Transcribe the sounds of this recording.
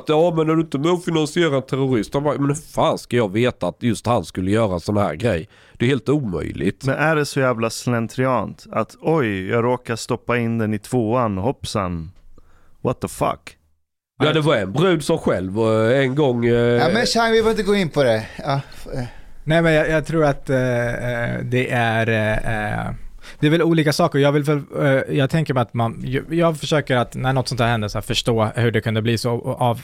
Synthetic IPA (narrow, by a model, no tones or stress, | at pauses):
t̪jɑɑːvmɛnd̪əd̪ɵɪnt̪əmɛufɪnansɪeːɾaɛnt̪ʰæɾʊɾɪst̪hanbɑjmɛnfaːnskajɑveːt̪aːt̪jɵst̪hanskɵlːəjœːɾaɛnsɔnhæ̰ːɾɡɾɛ̰jː | d̪̥ɛjʉheːlt̪uːmœ̰jlɪ̰ɡt̪mɛnʔæɖɛsɔjæːvlaslɛnt̪ʰɾɪɑnt̪at̪ɔjjɑːɡɾoːkaʂt̪ɔpːaɪnd̪ɛnɪt̪ʰv̥oːanhɔpːsan | wɔt̪əfa̰k | jɑd̪ɛvɑɛnbɾʉ̟ːd̪sɔmɧɛlvɔɛnɡɔŋːamɛʃaŋvɪfɾɪnt̪əɡoːɪnpʰɔd̪ɛɑ | nɛːɪmɛnjɑːjɑːɡt̪ʰɾuːɾat̪ | d̪ɛʔæɾ̰ | d̪̥ɛɾvɛluːliːkasɑːkəɾɔjɑːɡvɪlvɛljɑːɡ̚t̪ʰɛŋkəɾmɛɪat̪manjjɑːɡfœʂøːkəɾat̪næɳɔt̪ːsɔnt̪hæːhɛnd̪əsæːfœʂʈoːhɵɖɛkʰɵnd̪əbliːsoɑv